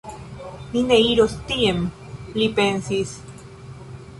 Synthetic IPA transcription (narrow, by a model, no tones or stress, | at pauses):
mineiɾost̪iem | lipensis